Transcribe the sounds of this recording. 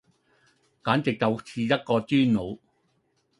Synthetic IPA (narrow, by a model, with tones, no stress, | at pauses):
kaː˨˥nt͡sɪ˨k̚tɐ˨wt͡sʰiː˧jɐ˥t̚kɔː˧tyː˥nno˨˧w